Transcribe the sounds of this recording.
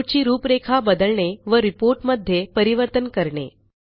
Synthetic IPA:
ʈt͡ɕiːɾuːpɾekʰabəd̪əɭɳeʋəɾipoɾʈməd̪ʱːjepəɾiʋəɾt̪ənkəɾɳḛ

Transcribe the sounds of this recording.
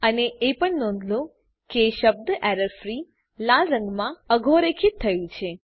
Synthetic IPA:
əneepəɳnɔ̃nd̪ʱlõ | keːʃəb̚d̪ʔɛɾəɾfɾi | lalɾə̃ŋɡmãəɡʱoɾekʰit̪ʰːəjũt͡ʃʰe

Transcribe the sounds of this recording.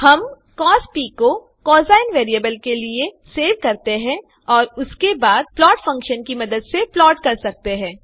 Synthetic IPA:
hɐm | kɔːspiːko | kɔːzaːɪnʋeːɾiəbəlkelieseːʋkɐɾt̪eɦɛ̃ː | ɔːɾʊskebaːd̪̚plɔːʈfɐ̃ŋkʃənkimɐd̪əd̪seplɔːʈkɐɾsɐk̚t̪eɦɛ̃ː

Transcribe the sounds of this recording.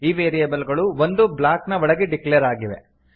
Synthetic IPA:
iːʋeːɾijɐbɐlɡɐɭuʋond̪ublaːknɐʋɔɭɐɡeɖiklejɐɾaːɡiʋe̞̰

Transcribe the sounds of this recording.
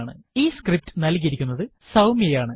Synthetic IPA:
ɳɨiːskrip̚tɨ̥nɐlkiɾikʲːunːɐðɨ | sɐwmiejaːɳɨ

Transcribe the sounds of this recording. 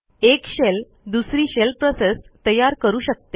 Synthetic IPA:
ekɕel | d̪usɾiːɕelpɾosest̪əjaɾkəɾuːɕək̚t̪e

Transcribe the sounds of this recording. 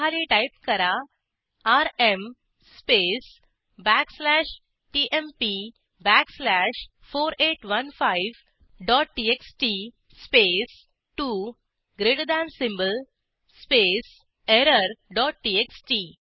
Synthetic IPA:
aliʈajp̚kəɾa | aɾem | spes | bækslæʃ | ʈiːʔempi | bækslæʃ | foːɾeʈʋɐnfaɪʋ | ɖɔːʈ̚ʈieksʈi | spes | ʈu | ɡɾeɖd̪ãnsimbəl | spes | eɾəɾɖɔːʈ̚ʈiːeksʈi

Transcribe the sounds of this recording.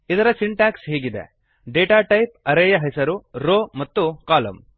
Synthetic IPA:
id̪ɐɾɐsiɳʈaːksɦiːɡid̪ḛ | ɖeːʈaːʈɐjp̚ɐɾeːjɐɦɐjsɐɾuɾoːmɐt̪ːukaːlɐ̰m

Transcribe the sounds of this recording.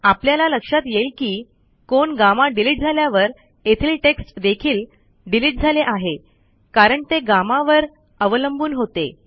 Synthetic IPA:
apljalaləkʂat̪jelkiː | koɳɡamaɖiliʈ̚d͡zʱaljaʋəɾ | et̪ʰiːlʈeksʈd̪ekʰiːl | ɖiliʈ̚d͡zʱaleʔaɦe | kaɾəɳt̪eɡamaʋəɾ | əʋələmbuːnɦot̪ḛ

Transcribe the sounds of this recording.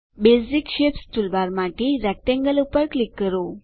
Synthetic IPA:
besikɕepst̪ulbaɾmaʈiɾɛk̚ʈẽŋɡəlupəɾklikːəɾo

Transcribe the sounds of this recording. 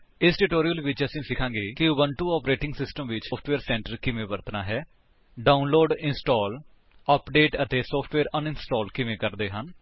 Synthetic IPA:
ɪsʈɪʈoːɾijəlʋɪt͡ʃəsĩːsɪkʰãːŋɡeːkɪʊʋəɳʈuːɔːpɾeːʈɪŋɡsɪsʈəmʋɪt͡ʃːpʰʈʋeːɾsɛ̃ːɳʈəɾkɪmẽːʋəɾt̪naːɦɛː | ɖaːunloːɖɪnsʈɔːl | əpɖeːʈət̪eːsɔːpʰʈʋeːɾənɪnsʈɔːlkɪʋẽːkəɾd̪eːɦən

